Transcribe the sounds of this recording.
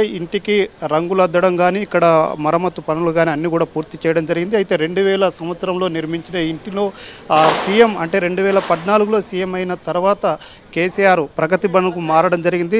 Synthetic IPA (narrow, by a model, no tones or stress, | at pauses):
iɳʈikiɾɐŋɡulɐd̪ːɐɽɐmɡaːniːkːɐɽɐmɐɾɐmɐt̪ːupɐnuluɡaːniɐnːiːkuːɽaːpuːɾt̪it͡ʃɛːjɐɽɐmd͡ʒɐɾiɡind̪iɐjit̪e̞ːɾe̞ɳɖuʋɛːlɐsɐmʋɐt̪sɐɾɐmloːniɾmiɲt͡ʃinɐiɳʈilo̞ːsiːjemɐɳʈe̞ːɾe̞ɳɖuʋɛːlɐpɐd̪naːluɡulo̞ːsiːje̞mɐjnɐt̪ɐɾuʋaːt̪ɐ | keːsijaːɾpɾɐɡɐt̪ibɐnɐkumaːɾɐɽɐmd͡ʒɐɾiɡind̪i